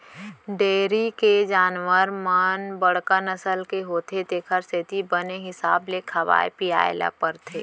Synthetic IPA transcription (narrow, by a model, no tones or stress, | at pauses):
ɖeːɾiked͡ʒaːnwəɾmənbəɽ̤kənəsəlkeɦoːt̪ʰet̪eːkʰəɾset̪ibəneɦɪsaːblekʰɐʋa̰ːepija̰ːjla̰pəɾt̪ʰeː